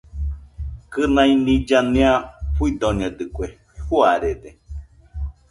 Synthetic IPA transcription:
kɨnãĩnĩd͡ʒanĩaɸuid̪oned̪ɨkʷe | huaɾede

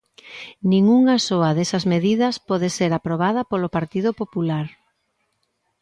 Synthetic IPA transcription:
nĩŋuŋasoɐðesɐzmeðiðɐspɔðeseɾapɾoβ̞að̞ɐpolopaɾt̪iðʊpopulaɾ

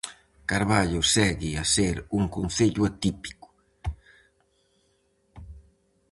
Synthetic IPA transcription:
kaɾβaʎʊsɛɣɪaseɾuŋkun̟θeʎuat̪ipi̥kʊ̥

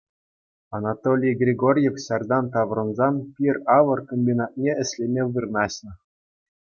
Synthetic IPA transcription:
ɑnɑt̪olʲijɡrʲeɡorʲjefɕɑrd̪ɑnt̪ɑʋrɤ̆nzɑnpʲirɑʋɤ̆rkomʲbʲinɑt̪̚nʲeɘ̆ɕʲlʲemʲeʋɯrnɑɕnɤ̆

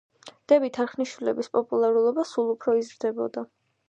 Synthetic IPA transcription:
d̪̥ɛbit̪ʰaɾχniʃwilɛbispʼɔpʼulˠaɾulˠɔbasulˠupʰɾɔizɾd̪ɛbɔ̰d̪a

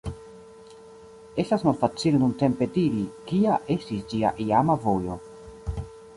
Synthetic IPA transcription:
e̞stasmalfat͡sile̞nunte̞mpe̞diɾikiaʔe̞stisd͡ʒia̰ʔiamavo̞jo̞

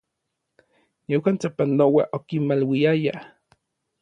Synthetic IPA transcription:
newant͡sapanowaʔokimmalwiaja

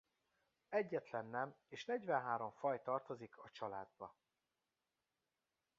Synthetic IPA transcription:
ɛɟːɛt̪lɛnːɛmeːʃnɛɟvɛnɦaːɾo̞ɱfɒjt̪ɒrt̪o̞zikʰɒt͡ʃɒlaːd̪̚bɒ

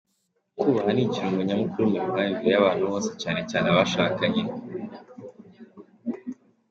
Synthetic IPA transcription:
kuβahaniciɾuŋɡoɲamukuɾumuɾuɦaimbiɾejaβaːn̥huβoːnse̞caːne̞caːnaβaʃakaɲe

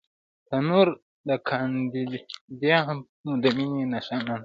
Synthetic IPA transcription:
tanuɾ | ɗakʰandidijaha | mudamininaʃanan

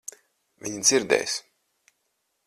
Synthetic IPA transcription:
vʲiɲid̪ziɾd̪ɛ̰ːjs

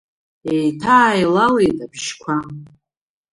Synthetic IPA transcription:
ejtʰaːjlale̞jtʼabʃkʷʰa

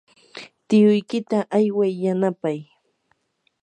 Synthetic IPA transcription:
t̪ɪjʊjkɪt̪aʔajwajːanapaj

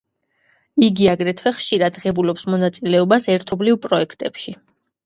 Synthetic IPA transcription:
iɡiaɡɾɛt̪ʰwɛχʃiɾad̪ʁɛbulɔpsmɔnat̪sʼilɛɔbasɛɾt̪ʰɔblivpʼɾɔɛkʰt̪ʼɛpʃi

